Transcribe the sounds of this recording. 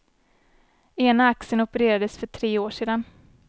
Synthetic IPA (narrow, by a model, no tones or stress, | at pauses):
eːnaaksənɔpəɾeːɾad̪əsfœʈʰɾeːoːʂeːd̪an